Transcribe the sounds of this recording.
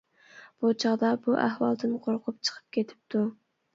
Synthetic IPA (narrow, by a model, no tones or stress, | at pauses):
b̥ut͡ʃʰɑʁd̪ɑbuʔæhwɑlˠd̪ɨnqʰoɾqʰʊp̚t͡ʃʰə̥qʰə̥p̚kʲet̪ʰɪ̥p̚t̪ʰu